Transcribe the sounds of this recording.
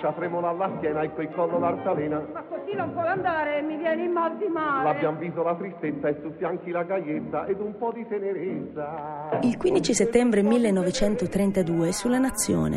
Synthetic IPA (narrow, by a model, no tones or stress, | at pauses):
t͡ʃat̪ɾɛmolalːaskjɛːnaɛkːekɔlːolart̪alɛːnamakːok̪inompwɔjand̪aːɾemːivjɛːnimːad̪imaːlabːjamvisolat̪ɾist̪et̪sːaet̪ːut̪ːiaŋk̟ilaɡajːet̪t̪ːaʔɛd̪umpɔd̪it̪eneɾet̪sailkwind̪it͡ʃiset̪ːɛmbɾemilːenːɔvet͡ʃɛnt̪ot̪ɾɛnt̪ad̪uːesulːanat̪sːjɔ̰ːnḛ